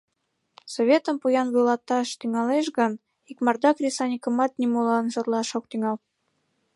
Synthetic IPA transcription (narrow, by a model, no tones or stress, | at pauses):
soβʲet̪əmpujɑnβujlɑt̪ɑʃt̪yŋɑleʃɣən | ikmɑrd̪ɑkrʲisɑnʲikəmɑt̪̚nʲimulɑnʒə̆rlɑʃok̚t̪yŋɑl